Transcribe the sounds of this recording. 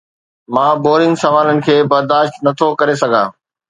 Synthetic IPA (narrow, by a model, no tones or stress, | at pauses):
mãːboːɾɪ̃ŋɡsɐmaːlənɪ̆kʰeːbɐɾd̪aːʃt̪nɐt̪ʰokɐɾesɐɡʱãː